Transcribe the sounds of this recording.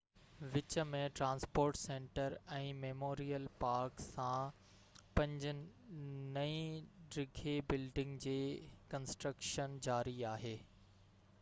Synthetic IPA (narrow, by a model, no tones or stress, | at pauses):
ʋɪt͡ɕəmẽʈɾãːnspoːɾʈsẽːɳʈəɾɛ̃ːmeːmoːɾijəlpaːɾksã | pɐ̃ɲd͡ʑʊ | nɐĩɖɾɪɡʱebɪlɖɪ̃ŋɡd͡ʑeːkɐ̃nsʈɾəkʃənd͡ʑaːɾiaːɦeː